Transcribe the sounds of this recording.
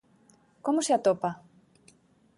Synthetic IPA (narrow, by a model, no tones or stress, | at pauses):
komoseat̪opa